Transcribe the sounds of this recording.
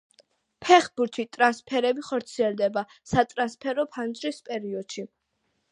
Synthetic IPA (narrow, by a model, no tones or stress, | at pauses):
pʰɛχbuɾt̪ʰit̪ʼɾanspʰɛɾɛbiχɔɾt̪sʰiɛlˠd̪ɛbasat̪ʼɾanspʰɛɾɔpʰand͡ʒʼɾispʼɛɾiɔd̪̥ʃi